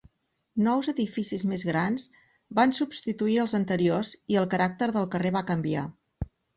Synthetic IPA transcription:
nɔwzəðifisizmezɣɾanz | bansubst̪it̪uiəlˠzənt̪əɾioziəlˠkəɾak̚t̪əɾðəlˠkəreβakəmbia

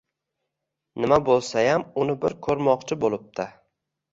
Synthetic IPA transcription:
nɪmabolˠsajamʊnɪbɪɾkʰɵɾmɒqt͡ʃʰɪbolˠɪp̚t̪ʰɪ

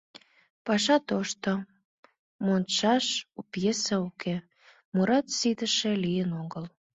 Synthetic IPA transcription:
pɑʃɑt̪oʃt̪o | monʃɑʃupjesɑukʰe | muɾɑt̪sid̪əʃĕlijənoɣəl

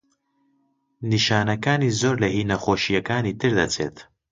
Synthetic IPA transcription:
niʃaːnɐkaːniːzoːɾlɐhiːnɐxoːʃijɐkaːniːt̪ʰɨɾd̪ɐt͡sʰḛːt̪

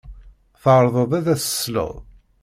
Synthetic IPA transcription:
θəʁɾˤðˤəðˤæðæsə̥slə̰ðˤ

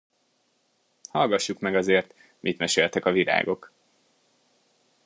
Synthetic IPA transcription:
hɒlɡɒʃːukmɛɡɒzeːrt̪ | mʔit̪mɛʃelt̪ɛkɒvila̰ːɡo̞k

